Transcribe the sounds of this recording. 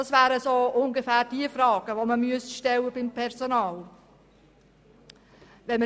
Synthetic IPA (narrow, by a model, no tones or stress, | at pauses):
ɑsvæːɾəsoːʔʊŋɡefæːɾd̥iəfrɑːɡ̥əʋoməmyəsʃtɛlːəbɪmpʰɛɾzonɑːl | ʋɛnmə